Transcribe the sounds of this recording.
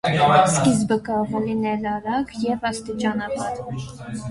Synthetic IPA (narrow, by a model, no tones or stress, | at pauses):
skisbəkəvlinɛlɑɾɑɡjɛvɑst̪it͡ʃɑnɑbɑɾ